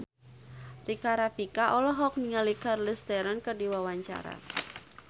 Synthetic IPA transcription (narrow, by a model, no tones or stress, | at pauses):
rikaɾapikaʔɔlɔɦɔk̚niŋalikarlist̪ɛɾɔnkərdiwawaɲt͡ʃa̰ɾa̰